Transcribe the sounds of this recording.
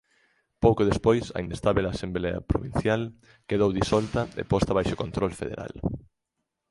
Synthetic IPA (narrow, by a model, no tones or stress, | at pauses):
powkoðespojsɐ̰inest̪aβelaːsembleɐ̰pɾo̰βin̟θjal | keðowðisɔlt̪ɐḛpɔst̪aβajʃokont̪ɾolfḛðḛɾa̰l